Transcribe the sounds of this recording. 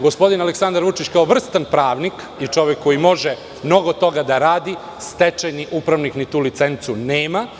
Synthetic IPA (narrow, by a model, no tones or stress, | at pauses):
ɡo̞spo̞d̪inaleksand̪aɾʋut͡ʃit͡ɕkaoʋr̩st̪anpɾaːʋnik | it͡ʃo̞ʋjekʰːo̞jimo̞ʒe | mno̞ɡo̞t̪o̞ɡad̪aɾaːd̪i | st̪et͡ʃajniʔupɾaʋniknit̪uːlit̪se̞nt̪suneːma